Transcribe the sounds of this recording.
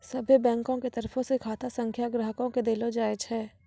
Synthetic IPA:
sɐbʱibɛ̃ːŋkõket̪ɐɾfʰõsekʰaːt̪asɐ̃ŋkʰjaɡɾəɦəkõked̪eːlod͡ʒaːet͡ʃʰɛː

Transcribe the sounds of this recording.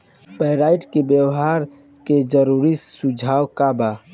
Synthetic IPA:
pəɾaːɪʈkebjəwɦaːɾ | ked͡ʒəɾuɾisʊd͡ʒʱaːwkabaː

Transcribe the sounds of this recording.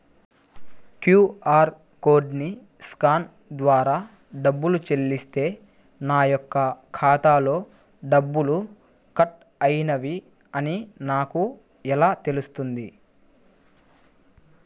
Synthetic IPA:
kjuːaːɾ | ko̞ːɖni | skaːn | d̪ʋaːɾaː | ɖɐbːulut͡ʃe̞lːist̪e̞ː | naːjɔkːɐkʰaːt̪aːlo̞ː | ɖɐbːulu | kɐʈ | ɐjinɐʋi | ɐninaːku | ɛlaːt̪e̞lust̪und̪i

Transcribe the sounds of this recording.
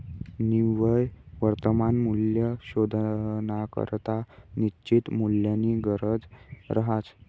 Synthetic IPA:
niʋəjʋəɾt̪əmanmuljəɕod̪ʱnakə̰ɾt̪anit͡ɕit̪muljəniɡəɾəd͡zɾəɦat͡s

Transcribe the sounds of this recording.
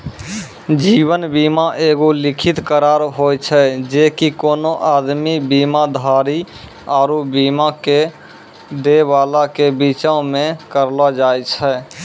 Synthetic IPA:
d͡ʒiːwənbiːmaʔeːɡolɪkʰɪt̪kəɾaːɾɦoːjt͡ʃʰɛd͡ʒekikoːnoʔaːd̪mibiːmad̪ʱaːɾi | aːɾubiːmake | d̪eʋaːlakebit͡ʃaõmẽkəɾlad͡ʒaːjt͡ʃʰɛ

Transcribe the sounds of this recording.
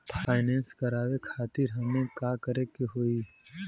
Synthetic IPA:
pʰaːɪnɛ̃ːnskɐɾaːʋekʰaːt̪ɪɾɦɐŋmẽkaːkəɾekeɦoːi

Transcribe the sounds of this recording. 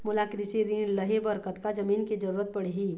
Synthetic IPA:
mʊlakɾɪsiɾĩːləɦebɐɾkət̪kad͡ʒɐmiːnked͡ʒɐɾuːɾət̪̚pɐɽeɦiː

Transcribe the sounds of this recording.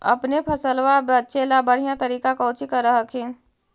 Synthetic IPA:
ə̰pnepʰəsəlʋabətːt͡ʃʰelabəɽ̤ijãt̪əɾiːkakaʊt͡ʃikəɾəɦəkʰẽ

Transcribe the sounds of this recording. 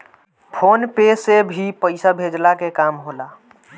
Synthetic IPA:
pʰoːnpeːsebʱipəɪsabʱeːd͡ʒlakekaːmɦoːlaː

